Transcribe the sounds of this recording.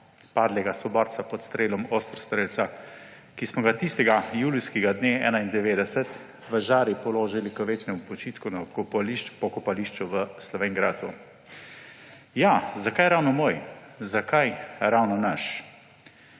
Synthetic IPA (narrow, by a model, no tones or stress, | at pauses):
paːd̪lɛɡasɔbɔɾt̪sapɔt̪st̪ɾeːlɔmost̪ɾst̪ɾeːlsa | kismɔɡat̪ist̪ɛɡajuːliskiɡad̪neːɛ̰ːnaind̪ɛʋeːd̪ɛsɛt̪ | ʋəʒaːɾipɔloːʒilikəʋeːt͡ʃnɛmupɔt͡ʃiːt̪kunakɔplipɔkɔpaliːʃt͡ʃuʋəslɔʋeːŋɡɾat̪ṵ | jazakajɾawnɔmoːj | zakajɾawnɔnaʃ